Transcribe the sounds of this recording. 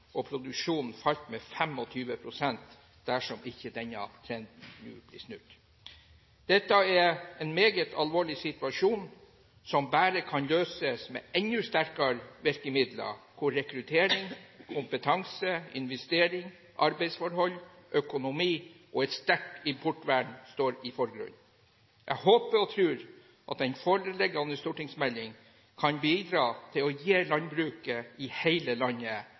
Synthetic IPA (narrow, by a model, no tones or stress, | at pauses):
ʔɔpʰɾʊd̪ʉkʂuːnn̩fɑʎt̪mɛfɛmɔt̪ʰyːʋəpʰɾʊsɛnt̪ | d̪̥æʂɔmɪçːəd̪ɛnɑ̰t̪ʰɾɛnd̪n̩nʉ̰ːb̥lɪ̰ːʂnʉt̪ | d̪̥ɛt̪ːɑɛɛnmeːɡət̪ʰɑlʋoːɭɪsɪt̪ʉɑʂuːn | sɔmbæːɾəkʰɑnløːsəsmɛ̰ːɛnːʉst̪æɾkɑɾʋɛɾkəmɪd̪lɑ̰kʰʊɾɛkɾʉt̪ʰeːɾɪŋkʰʊmpət̪ʰɑŋsəɪ̰nʋɛst̪eːɾɪŋ | ʔɑɾbæɪsfɔɾhɔlːʔœkʊnʊmiːʔɔɛt̪st̪æʈɪmpʰɔʈːʋæɳst̪oːɾɪfɔɾɡɾʉ̰n | ʔæ̰ɡhoːpəɾɔt̪ʰɾʉːɾ | ʔɑ̰t̪ɛnfoːɾəlɛɡɑnəst̪uːʈɪŋsmɛlːɪŋ | kʰɑnbiːd̪ɾɑːt̪ʰɪlɔjeːlɑnbɾʉːkəɪhæɪləlɑnːə